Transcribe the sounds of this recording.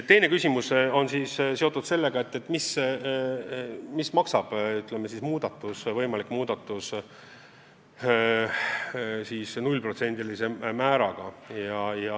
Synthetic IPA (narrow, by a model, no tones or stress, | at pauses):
t̪ːe̞jne̞kysʲimuso̞nsiːsse̞ot̪ːˑud̪̥se̞lːe̞ɡ̥ɑe̞t̪ːet̪ːˑmis | mismɑksɑb̥yt̪ˑlemesismuːd̪̥ɑt̪ːˑusvɤjmɑlikːˑmuːd̪̥ɑt̪ːˑus | siːsnulʲpro̞t̪se̞nʲd̪ilise̞mæːɾɑɡ̥ɑjɑjɑ